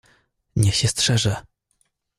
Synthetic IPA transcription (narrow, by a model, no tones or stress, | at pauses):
ɲɛɕɛstʂɛʐɛ